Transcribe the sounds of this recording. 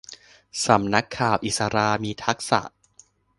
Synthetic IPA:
sa˩˦mna˦˥kʰːaː˨˩wʔi˨˩t̪̚sa˧ɾaː˧miː˧t̪ʰa˦˥k̚sa̰˨˩ʔ

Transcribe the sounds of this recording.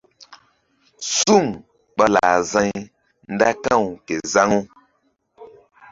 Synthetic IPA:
su˦˨ŋ | k͡pa˦la˨zã˦ɲ˦ | nn̩˦da˦kã˦˨wke˨za˦ŋo˦

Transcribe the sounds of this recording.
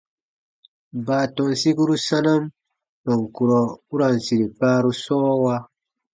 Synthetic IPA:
baː˨tɔ˨n˨si˦ku˦ɾu˦sa˦na˦m | nɔ˨ŋku˨ɾɔ˨u˦ɾa˨n˨si˨ɾi˨paː˦ɾu˦sɔː˦wa˦

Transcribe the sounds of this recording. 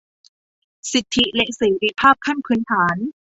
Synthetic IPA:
si˨˩t̪ʰːi˧˥lɛ˦˥ʔseː˩˦ɾi˧˥pʰaː˥˩p̚kʰa˥˩nkʰɯ˧˩˦nt̪ʰaː˩˦n

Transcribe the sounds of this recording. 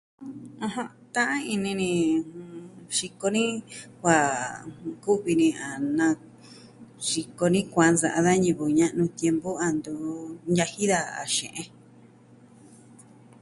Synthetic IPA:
ã˧ɦã˧ | t̪ã˦ʔã˦i˧nĩ˧nĩ˧ | ʂi˧ko˧nĩ˦kʷa˨ | ku˦βi˧nĩ˧a˨nã˧ | ʂi˧ko˧nĩ˦kʷã˧nza˨ʔa˧ða˦ɲũ˧βu˨ɲã˦ʔnũ˧t̪je˧mbo˦a˧nd̪u˧ɲja˧hi˦ða˧a̰˨ʃḛ̃˨ʔẽ˧

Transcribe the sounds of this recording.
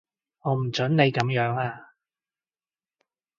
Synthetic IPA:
ŋɔː˨˧m̩˨˩t͡ʃɵ˨˥nne˨˧jkɐ˨˥mjœː˨˥ŋaː˧

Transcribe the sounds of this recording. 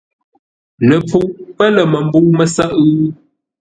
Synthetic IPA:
nə˨pu˨ʔpə˦lə˨mə˨m˦buː˦mə˦sa˦ʔʉ˦

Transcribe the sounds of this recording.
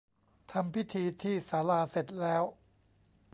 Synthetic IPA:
t̪ʰa˧mpʰi˦˥t̪ʰiː˧t̪ʰiː˥˩saː˩˦laː˧se˨˩t̪̚lɛː˦˥w

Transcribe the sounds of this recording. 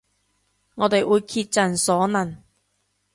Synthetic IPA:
ŋɔː˨˧t̪e˨jʔuː˨˧jkʰiː˧t̚t͡sɐ˨nsɔː˨˥nɐ˨˩n

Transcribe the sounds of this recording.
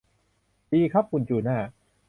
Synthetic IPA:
diː˧kʰɾa˦˥p̚kʰu˨˧˩nt͡ɕuː˨˩naː˥˩

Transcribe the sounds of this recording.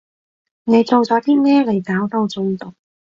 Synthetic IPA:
ne˨˧jt͡so˨wt͡sɔː˨˥t̪iː˥mɛː˥le˨˩jkaː˨˥wt̪o˧wt͡sʊ˧ŋt̪ʊ˨˩k̚

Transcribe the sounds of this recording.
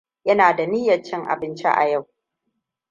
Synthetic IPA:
jɐ˦naː˨da˨ni˦jɐ˨t͡ʃːɛ˦ŋʔa̰˨bɪ˦nt͡ʃḛ˦ʔa̰˨ja˦˨w

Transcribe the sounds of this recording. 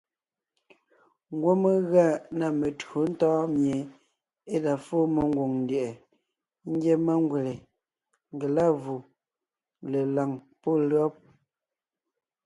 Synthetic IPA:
ŋ˦ɡwo˦me˦ɣa˦˨na˨me˨to˨˦n̩˦tɔː˦mje˨ | e˦da˨fo˦mə˨ŋ˦ɡwo˨ŋn˨de˨ʔɛ˨ | ŋ˦ɡje˦ma˦ŋ˦ɡwe˨le˨ | ŋ˨ɡe˨la˦˨vu˨ | le˨la˨ŋ | po˦˨lɰɔ˦p̚

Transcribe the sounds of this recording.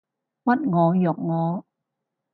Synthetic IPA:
ma˦˥t̚ŋɔː˨˦jɔː˨˦k̚ŋɔː˨˦

